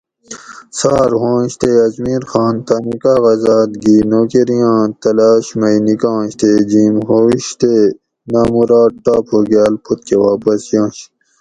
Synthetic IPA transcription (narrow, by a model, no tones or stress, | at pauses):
saːɾɦõːɕt̪eɐzmiːɾxaːnt̪anikaːɣɐzaːd̪ɡiːnoːkeɾijãːt̪ɐlaːʃmɐjnikãːɕt̪ed͡ʑiːmɦoːɕt̪e | naːmuɾaːʈaːphoːɡjaːlpʰut̪̚kewaːpɐsjõːɕ